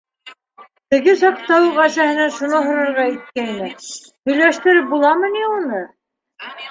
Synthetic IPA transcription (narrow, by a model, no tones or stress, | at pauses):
t̪ɘ̆ɡɘsɒpt̪ɑwɤʁæsæhɘ̆næʃunoɦŏɾɤ̆ɾʁɑit̪̚kænæ | hɵ̆jlæʃt̪ɘ̆ɾɘp̚bulˠɑmɤniunɤ